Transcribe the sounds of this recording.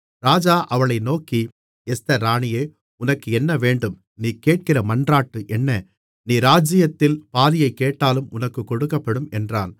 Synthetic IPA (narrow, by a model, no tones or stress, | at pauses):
ɾaːd͡ʒaːʔɐʋɐɭɐɪnoːki | ɛst̪ɐɾaːɳɪjeː | ʊnɐkːɯɛnːɐʋeːɳɖɯm | niːkeːʈ̚kɪrɐmɐndraːʈːɯʔɛnːɐ | niːɾaːd͡ʒɪjɐt̪ːɪlpaːðɪjɐɪkːeːʈːaːlɯmʊ̰nɐkːɯkːɔɽɯkːɐpːɐɽɯmɛndra̰ːn